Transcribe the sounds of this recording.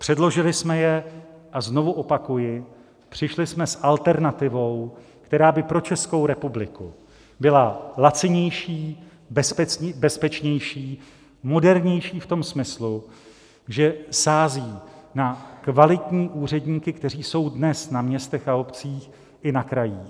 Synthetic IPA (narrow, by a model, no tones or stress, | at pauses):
pr̝̥ɛdlo̞ʒɪlɪsmɛjɛʔazno̞vuʔo̞pakujɪ | pr̝̥ɪʃlɪsmɛsʔalt̪ɛɾnat̪ɪvo̞w | kt̪ɛɾaːbɪpɾo̞t͡ʃɛsko̞wɾɛpublɪku | bɪlalat͡sɪɲɛjʃiː | bɛspɛbɛspɛt͡ʃɲɛjʃiː | mo̞dɛɾɲɛjʃiːft̪o̞msmɪslu | ʒɛsaːziːnakvalɪt̪ɲiːʔuːr̝ɛdɲiːkɪkt̪ɛr̝iːso̞wdnɛsnamɲɛst̪ɛxao̞pt͡siːx | ʔɪnakɾajiː